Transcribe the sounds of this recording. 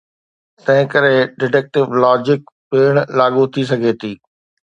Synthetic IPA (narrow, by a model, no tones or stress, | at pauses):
t̪ɐ̃ɦɪ̃kɐɾeɖɪʈɛk̚ʈɪʋlɔːd͡ʑɪkpeːɽ̃laːɠut̪ʰis̬ɐɡʱeːt̪ʰiː